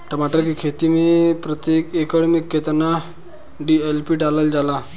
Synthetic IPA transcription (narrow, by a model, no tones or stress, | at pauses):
t̪am̤aʈ̪ɾəkikʰet̪imiːpɾət̪jekekəɽmikʰːet̪əna | ɖielpiɖaləld͡zala